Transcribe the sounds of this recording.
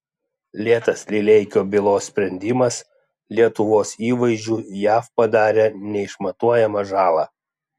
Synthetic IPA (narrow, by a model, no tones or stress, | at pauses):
lʲiɛt̪ɐslʲɪlʲɛɪkʲoːbʲɪlˠoːsʲsʲpʲɾʲɛnʲd̪ʲɪmɐs | lʲiɛt̪ʊʋoːsiːʋɐɪzʲd͡ʒʲuːjæːfpɐd̪ɑːɾʲenʲɛɪʃmɐt̪uɔjɛmɐʒɑːlˠɑː